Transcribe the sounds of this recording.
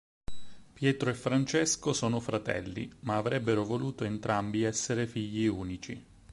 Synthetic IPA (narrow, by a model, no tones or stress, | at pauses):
pjɛːt̪ɾoefːɾant͡ʃɛskosoːnofɾat̪ɛ̰lːḭmaːvɾɛbːeɾovoluːt̪oent̪ɾambiɛsːeɾefiʎːiuːnit͡ʃi